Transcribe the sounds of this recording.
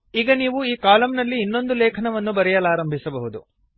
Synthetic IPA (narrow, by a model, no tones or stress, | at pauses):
iːɡɐniːʋuiːkaːlɐmnɐlːiːnːo̞nd̪ulɛːkʰɐɳɐʋɐnːubɐɾɛjɐlaːɾɐmbʱisɐbɐɦud̪u